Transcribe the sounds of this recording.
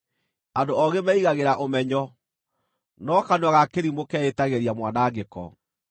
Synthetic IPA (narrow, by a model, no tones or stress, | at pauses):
andoɔɣemɛiɣaɣeɾaʔomɛɲɔ | nɔkanwaɣakeɾimokɛetaɣeɾiamwanaːɡekɔ̰